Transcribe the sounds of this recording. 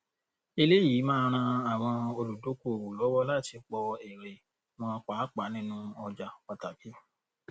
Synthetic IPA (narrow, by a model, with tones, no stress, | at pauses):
i˧le˦jiː˨˦mãː˦ɾ̃ã˧a˨w̃ɔ̃˧o˧lu˨do˨˦ko˦˨o˨lɔ˨˦wɔ˦la˦˨ti˧k͡pɔ˧ɛ˨ɾe˨ | m̃ɔ̃˧k͡pa˨˦k͡pa˨˦nĩ˦nũ˦ɔ˧d͡ʒa˧k͡pa˧ta˨ki˨˦